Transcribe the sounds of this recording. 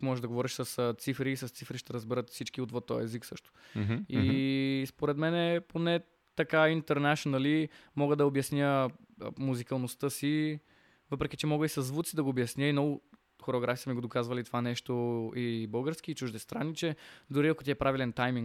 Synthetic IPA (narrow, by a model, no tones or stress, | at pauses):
mɔʒɛʒd̪ɐɡovɔɾiʃsəst̪sifɾiːsɐst̪sifɾiʃt̪ɛɾəzbɛɾət̪fsit͡ʃkiot̪vot̪ːɔ̰j̰ɛziksɤʃt̪o̥ispoɾɛt̪mɛnɛponɛ | t̪ɐkaint̪ɛɾnaʃonɐlimɔɡəd̪ɐobjɐsnʲjə | muzikɐlˠnost̪əsi | vɤpɾɛkʲit͡ʃɛmɔɡəisɐzːvut̪sid̪ɐɡoːbjɐsnʲjəinɔɡʊ | xoɾɛoɡɾʔafisəmiɡod̪okazvɐlit̪o̥vanɛʃt̪oibɤlˠɡəɾsk̟iːt͡ʃuʒd̪ɛst̪ɾanːit͡ʃɛd̪ʊɾiɐko̥t̪ʲiɛpɾavilɛnt̪ajmiŋ